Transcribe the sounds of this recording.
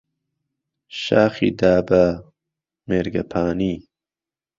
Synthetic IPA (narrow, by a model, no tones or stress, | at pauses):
ʃaːxḭd̪aːba | meɾɡɐpʰaːni